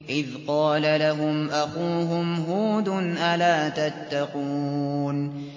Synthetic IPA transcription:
ʔɪðqɑːlalaɦʊmʔaxuːɦʊmɦuːd̪ʊnʔalaːt̪at̪ːɑquːn

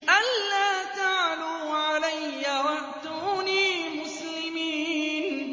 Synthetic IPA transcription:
ʔalːaːt̪aʕluːʕalajːawaʔt̪uːniːmʊslɪmiːn

